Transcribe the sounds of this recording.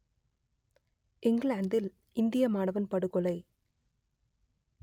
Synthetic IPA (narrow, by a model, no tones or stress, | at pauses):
ʔɪŋɡɭaːnd̪ɪl | ʔɪnd̪ɪjɐmaːɳɐʋɐnpɐɽɯkːɔlɐɪ